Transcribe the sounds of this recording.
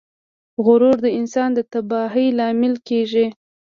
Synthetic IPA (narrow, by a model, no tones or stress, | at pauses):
ɣʊɾoɾd̪əɪnsɑnd̪ət̪abɑɦijlɑmɪlkeʒi